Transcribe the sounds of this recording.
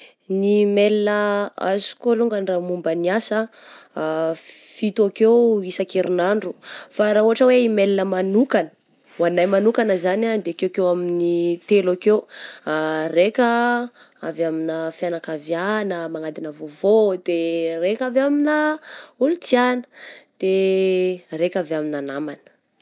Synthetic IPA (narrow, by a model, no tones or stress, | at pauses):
nimelinəa̰zi̥koluŋɡanramumbəniasə | fit̪akewisakeɾinaɳɖ͡ʐufaɾauɦaʈ͡ʂəweimelinəmanukanə̥ | wanajmanukanəzanad̪eakewkewaminit̪elakewarekə | avaminəfjanakavjanəmaŋad̪inəvovod̪̥erekavaminəulut͡sianə̥d̪̥e | rekavaminanamanə̥